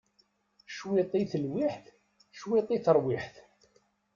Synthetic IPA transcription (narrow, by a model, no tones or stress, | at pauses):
ʃwit̪ˤiθəlwiħθ | ʃwit̪ˤiθəɾˤwiħθ